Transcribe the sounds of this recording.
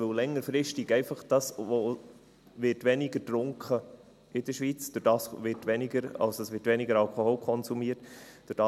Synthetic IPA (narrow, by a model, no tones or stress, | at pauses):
ɵlɛŋːəɾfɾɪʃtɪɡɛɪfɑχd̥ɑsʋo | ʋɪtʋɛnɪɡətɾʊŋkχə | ɪd̥əʃʋiːt͡sd̥ʊɾd̥ɑːsʋɪtʋɛnɪɡəɾɑ̰lsəsʋɪtʋɛnɪɡəɾɑlkʰoholkʰɔnsumiːətd̥ʊɾd̥ɑ